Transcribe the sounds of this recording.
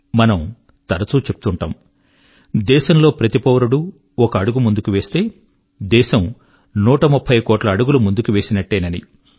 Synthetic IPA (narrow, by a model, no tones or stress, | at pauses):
mɐnɐm | t̪ɐɾɐt͡suːt͡ʃep̚u̥t̪uɳʈɐ̰ːm | d̪ɛːʃɐmlo̞ːpɾɐt̪ipɐːʋɾuɽu | ɔkɐːɽuɡumund̪ukuʋe̞ːst̪e̞ː | d̪ɛːʃɐm | nuːʈɐmupʰːɐjkoːʈlɐːɽuɡulumund̪ukuʋe̞ːsinɐʈːeːnɐnḭ